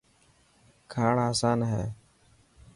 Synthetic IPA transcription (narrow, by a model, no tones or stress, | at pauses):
kʰaːɳaːsaːnɦɛː